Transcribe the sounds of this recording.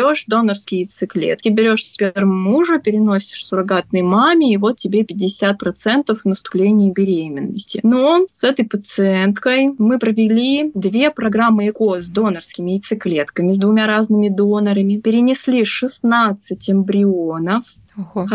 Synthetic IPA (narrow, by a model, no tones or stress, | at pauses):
o̞ʂd̪o̞nərskʲɪjɪt̪sɨklʲḛt̪kʲɪbʲɪɾʲo̞ʂspʲeɾmmːuʐəpʲɪɾʲɪno̞sʲɪ̥ʂsʊɾɐɡat̪̚nɨjmamʲɪːvo̞t̪̚tʲːɪbʲepʲɪd̚ʲɪsʲat̪̚pɾɐt̪sɛnt̪əfnəst̪ʊ̥plʲenʲɪjəbʲɪɾʲemʲɪnːə̰sʲtʲɪ̰nosɛt̪əjpət̪sɨɛnt̪kəjmɨpɾəvʲɪlʲid̪vʲe̞pɾɐɡɾamːɨɪkozd̪o̞nərskʲɪmʲɪɪt̪sɨklʲe̞t̪kəmʲɪzd̪vʊmʲaɾaznɨmʲɪd̪o̞nəɾəmʲɪpʲɪɾʲɪnʲɪsʲlʲiʂɨsnat̪sɨtʲɐmbɾʲɪonəf